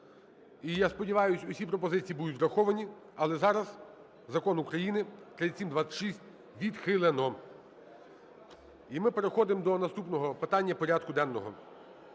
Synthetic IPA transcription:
ijaspɔdʲiʋɑjʊsʲʊsʲipɾɔpɔzɪt͡sʲijːibud̪ʊt̪ʲzɾɐxɔʋɐnʲi | ɐlˠɛzɑɾɐz | zɐkɔnukɾɐjinɪt̪ɾɪt̪ʲsʲimd̪ʋɑsʲɐʃisʲtʲ | ʋʲid̪xɪlˠenɔ | imɪpeɾexɔd̪ɪmd̪ɔnɐst̪upnɔɦɔpɪt̪ɑnʲːɐpɔɾʲɑd̪kʊd̪ɛnːɔɦɔ̰

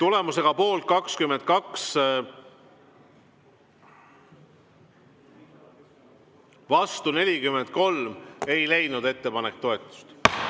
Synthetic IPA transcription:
t̪ule̞muse̞ɡ̥ɑpo̞ːlt̪̚kɑkskyme̞nt̪̚kɑks | vɑst̪une̞lʲikymːe̞nd̪̚ko̞lme̞jlejnud̪̥e̞t̪ːe̞pɑne̞k̚t̪ːo̞e̞t̪ːˑu̥st̪

